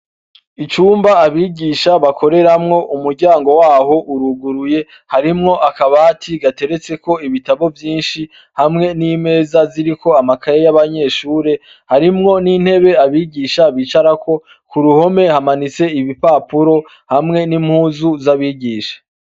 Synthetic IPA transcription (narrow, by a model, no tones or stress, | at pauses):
it͡ʃuːmbaːβiːɟiʃaβakʰo̞ɾe̞ɾamŋo̞ʔumuɾɟaːŋɡo̞waːɦo̞ʔuɾuɡuɾuje̞ | haɾimŋo̞ʔakaβaːtʰiɡate̞ɾe̞t͡se̞ko̞iβitaβo̞vjiːnʃi | hamŋe̞niːme̞ːzaziɾiko̞amakʰaɾejaβaɲe̞ːʃuːɾe̞ | haɾimŋo̞nin̥he̞βe̞aβiɟiːʃaβiːt͡ʃaɾako̞ | kuɾuho̞me̞hamanit͡se̞iβipaːpuɾo̞ | hamŋe̞nim̥huːzuzaβiːɟiːʃḁ